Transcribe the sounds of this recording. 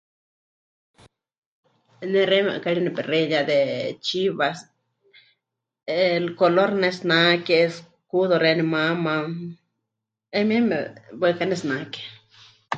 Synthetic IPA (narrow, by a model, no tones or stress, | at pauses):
neɾema̰ʔkaliniperejad̪et͡ʃiβas | elkoloɾnesnakes | kuðoɾenimama | emiemḛbwekanesnake̥